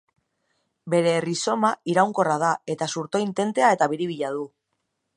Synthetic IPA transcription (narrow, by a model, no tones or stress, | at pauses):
be̞ɾe̞ːriso̞maiɾawŋko̞rað̞ae̞t̪asuɾt̪o̞int̪e̞nt̪e̞ae̞t̪aβ̞iɾiβiʎað̞u